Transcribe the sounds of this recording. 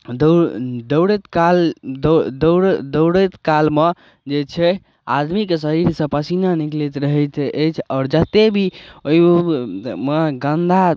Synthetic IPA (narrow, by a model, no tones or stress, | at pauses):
d̪d̪əwɽet̪kald̪d̪əɾd̪əwɽət̪kalme | d͡ʒet͡ʃʰɛ | a̰d̪mikesəɾiɾsə̃pəsinaniklet̪ɾəɦət̪ʰʔet͡ʃʰɔːɾd͡ʒət̪ebʱioi | meɡənd̪ʱa